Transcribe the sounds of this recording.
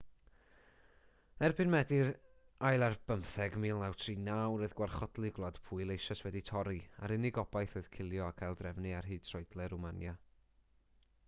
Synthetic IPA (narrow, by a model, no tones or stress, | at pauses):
ɛrbɨnmɛdɪɾ | ajlˠarb̥əmθɛɡmiːlˠnawtʰriːnawɨðɡwarχɔdlˠɨɡlˠad̥pʰuɨlˠejʃaswɛditʰɔɾia̰ɾɪnɪɡɔbajθoɨð̥kʰɪlˠjɔakʰajlˠdrɛvnɨarɦiːd̥̚tʰrɔɨdlˠɛɾumanja